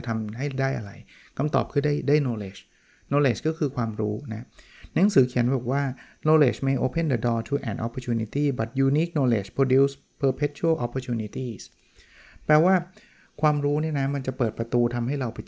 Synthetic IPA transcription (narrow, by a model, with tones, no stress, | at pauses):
t̪ʰa˧mɦa˥˩jdaː˥˩jʔa̰˧ɾa˧j | kʰa˧mt̪ɔ̰˨˩p̚kʰɯ˥˩daː˥˩jdaː˥˩jnoː˧leː˨˩t͡ɕ | noː˧leː˧˩t͡ɕkɔː˥˩kʰɯː˧kʰwaː˧mɾṵː˦˥na˦˥na˩˦ŋsɯː˩˦kʰi˩˦ənbɔː˨˩k̚waː˥˩ | noː˧lḛː˧˩t͡ɕmeː˧jʔoː˧pʰe˥˩nd̪ə˧dɔː˧t̪ʰuː˧ʔɛ̰ː˨˩nʔɔ̰˨˧pʰːɔː˧t͡ɕʰuː˧ni˧t̪iː˥˩ba˨˩t̪̚juː˧niː˦˥k̚noː˧lḛː˨˩t͡ɕpʰɾoː˧duː˦˥s | pʰɤː˧pʰe˦˥t̪̚t͡ɕʰu˥ə˥˩ʔɔ˧˥pʰːɔ˧t͡ɕʰuː˧ni˧˥t̪iː˥˩s | pɛː˨˩waː˥˩ | kʰwaː˧mɾuː˦˥ni˥˩na˦˥ma˧nt͡ɕa˨˩pɤː˨˩t̪̚pɾa˧t̪uː˧t̪ʰa˧mɦa˥˩jɾa˧wpa˧j